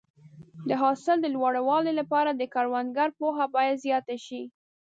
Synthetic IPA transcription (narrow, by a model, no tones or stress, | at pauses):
d̪əɦɑsɪld̪əlwɑɽawɑlelapɑɾad̪əkaɽwand̪ɡaɾpoɦabɑjad̪zjɑt̪aʃi